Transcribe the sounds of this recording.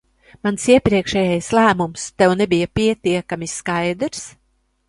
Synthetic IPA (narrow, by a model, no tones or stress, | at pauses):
mansiɛpɾiɛkʃɛːjajslˠæːmumst̪ɛwnɛbijapʲiɛt̪iɛkamʲiskajd̪ɾs